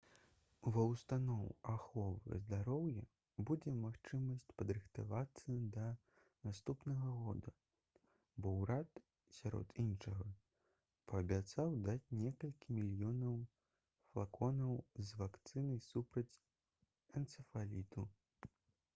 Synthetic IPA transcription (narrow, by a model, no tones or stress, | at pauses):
vɐwst̪anɔwaxɔvɨ̰zd̪aɾɔwjɛ | bud͡zʲɛmaxt͡ʂɨmɐsʲt͡sʲpɐd̪ɾɨxt̪a̰vat̪sːɐd̪ɐ | nast̪upnɐɣɐɣɔd̪ɐ | bɔwɾat̪ | sʲaɾɔ̰t̪ʰinʂɐɣɐ | pɐːbʲat̪sawd̪at͡sʲnʲɛkɐlʲkʲimʲilʲjɔnɐw | flˠakɔnɐwzvakt̪sɨnɐjsupɾɐt͡sʲ | ɐnt̪sɨfalʲit̪u